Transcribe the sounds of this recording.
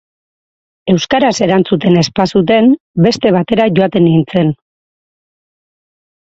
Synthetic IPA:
e̞wskaɾase̞ɾant͡sut̪e̞ne̞spasut̪̬e̞n | be̞st̪e̞β̞at̪e̞ɾaʝo̞at̪e̞nint͡se̞n

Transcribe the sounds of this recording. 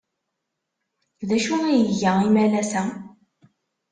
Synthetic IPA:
ðæʃuijəʝæimælæsæ

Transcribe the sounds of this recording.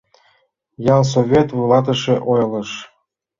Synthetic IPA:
jɑlˠs̬ovʲet̪vulˠɑt̪̬ə̆ʃĕʔojlˠɤ̆ʃ

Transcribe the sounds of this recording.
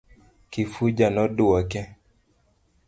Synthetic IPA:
kifud͡ʒanɔdʊɔkɛ

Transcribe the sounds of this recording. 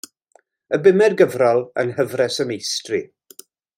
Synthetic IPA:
əbɪmɛrɡəvrɔlˠə̰nɦəvrɛsəmejstrɨ

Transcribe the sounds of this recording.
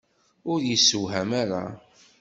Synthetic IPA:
ʊɾjisːəwɦæmaɾa̰

